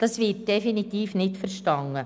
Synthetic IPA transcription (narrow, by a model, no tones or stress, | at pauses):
d̥ɑsʋɪt̚d̥ɛfinit̪iːfnɪtfəɾʃtɑŋːə